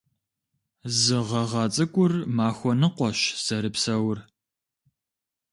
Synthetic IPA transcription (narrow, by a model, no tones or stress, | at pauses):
zɨʁɐʁɐt͡sʼɨkʷʼʊrmaːxʷɔnɨqʷɔʃsɐɾɨpsɐwr